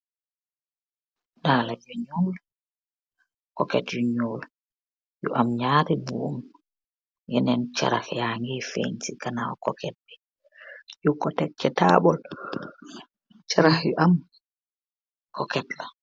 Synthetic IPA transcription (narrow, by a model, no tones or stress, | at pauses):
daːlad͡ʒɔɲoːl | kɔkɛtjuɲoːl | jṵʔamɲaːɾibum | jɛnɛnt͡ʃa̰ɾa̰hjaŋɡefḛntikanawɔkɔkʰɛt̚bɛ | jukɔtɛt͡ʃːɛtabɔl | t͡ʃaɾaxjɔʔam | kʰɔkɛtla